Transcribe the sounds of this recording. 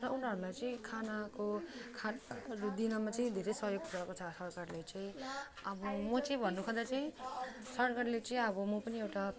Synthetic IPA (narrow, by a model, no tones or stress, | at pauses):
rʌʔunʌɾulajt͡sʌĩkʰanakokʰaɾod̪inʌmat͡sʌĩd̪ʱeɾejsʌɦjoɡ̚puɾakot͡sʰʌsʌɾkarlet͡sʌĩ | ʌbʌmʌt͡sʌĩbʱʌnːukʰʌd̪at͡saĩsʌɾkarlet͡sʌĩʌbʌmʌpʌniewʈa